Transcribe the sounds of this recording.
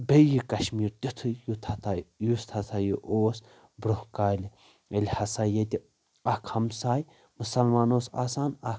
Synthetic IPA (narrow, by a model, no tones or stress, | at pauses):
bejikɐʃmiːɾt̪it̪ʰɨjut̪ʰɐt̪ʰajust̪ʰɐt̪ʰajiʔoːs | bɾohkaːli | ɐlʲhɐsajet̪ʲi | ɐkʰhɐmsaːj | musɐlmaːnoːsa̰ːsaːnɐ